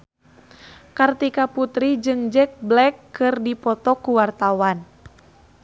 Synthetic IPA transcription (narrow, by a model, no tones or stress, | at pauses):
kart̪ikaput̪ɾid͡ʒɨŋd͡ʒɛk̚blɛkːɨrdipɔt̪ɔkuwart̪awan